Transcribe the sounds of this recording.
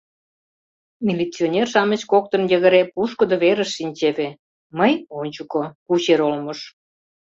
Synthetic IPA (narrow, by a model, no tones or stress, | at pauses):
mʲilʲit͡sʲionʲerʃɑmə̆t͡ɕkok̚t̪ə̆njə̆ɣə̆ɾepuʃkə̆d̪oβeɾə̆ʃːinʲt͡ɕeβe | məjonʲt͡ɕukokut͡ɕeɾolmə̆ʃ